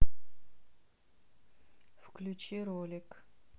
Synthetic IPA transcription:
fklʲʉt͡ɕiɾolʲɪk

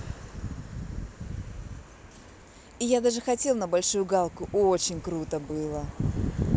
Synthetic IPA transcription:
ɪjad̪aʐɨxɐtʲe̞lˠnəbɐlʲʂujʊɡalˠkʊʔot͡ɕɪnʲkɾut̪əbɨlˠə

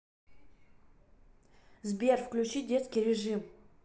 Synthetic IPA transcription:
zbʲerfklʲʉt͡ɕidʲe̞t̪skʲijɾʲɪʐɨm

